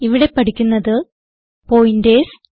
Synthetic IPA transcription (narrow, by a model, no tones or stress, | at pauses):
iʋiɽe̞pɐʈʰikʲːunːɐðɨ | pojindeːs